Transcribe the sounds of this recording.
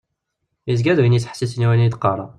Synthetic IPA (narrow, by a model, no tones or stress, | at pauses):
izɡæðwinjit͡sːħsisniwænid̪qɑɾˤɑ